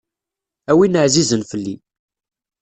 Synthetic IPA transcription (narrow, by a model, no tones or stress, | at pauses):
æwinəʕzizənfəlːi